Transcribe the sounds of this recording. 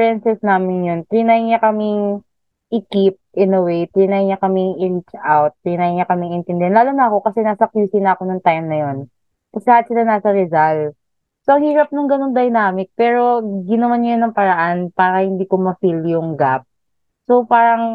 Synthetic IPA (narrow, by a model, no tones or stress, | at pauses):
ɾɛnsɛsnaːmɪnjont̪ɾinajɲakɐmɪŋ | ʔɪkip̚ʔɛnɐwejt̪ɾinajɲɐkɐmɪŋʔɪɹit͡ʃʔawt̪̚ːɾinajŋɲɐkɐmɪŋɪnt̪ɛnd̪ɪhanlaːlonɐʔɐko̞kɐsɛnaːsɐkjuːsɪnɐɐko̞nʊŋt̪ajmnɐjo̞n | kɐsɛlaːɐt̪̚sɪlanaːsɐɾɛzal | soʔɐŋhiːɾɐp̚nɐŋɡɐno̞ŋd̪ɐjnaːmɪk̚pɛːɾo̞ɡɪnɐmanajʊnːɐŋpɐɾɐʔanpaːɾɐhɪnd̪iːkomɐfiljʊŋɡap̚ | so̞paːɾɐŋ